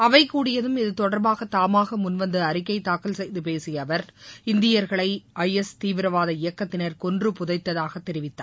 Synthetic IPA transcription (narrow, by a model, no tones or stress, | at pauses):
ɐʋɐɪkːuːɽɪjɐðɯmɪðɯt̪ɔɽɐɾbaːɣɐt̪ːaːmaːɣɐmʊnʋɐnd̪ɯɐɾɪkːɐɪt̪ːaːkːɐlsɛjðɯpeːsɪjɐʋɐɾɪnd̪ɪjɐɾɣɐɭɐɪʔɐjɛst̪iːʋɪɾɐʋaːðɐɪjɐkːɐt̪ːɪnɐɾkɔndrɯpʊðɐɪt̪ːɐðaːɣɐt̪ːɛɾɪʋɪt̪ːa̰ː